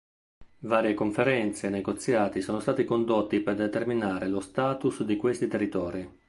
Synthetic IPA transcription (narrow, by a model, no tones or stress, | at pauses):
vaːɾjekoɱfeɾɛnt̪seneɡot̪sːjaːt̪isɔːnost̪aːt̪ikond̪ot̪ːiperd̪et̪erminaːɾelost̪aːt̪usd̪ikwest̪it̪erːit̪ɔːɾi